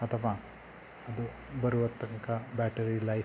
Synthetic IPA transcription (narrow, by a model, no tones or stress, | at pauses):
ɐt̪ʰɐʋa | ɐd̪u | bɐɾuʋɐt̪ːɐŋkɐbaːʈɐɾilɐj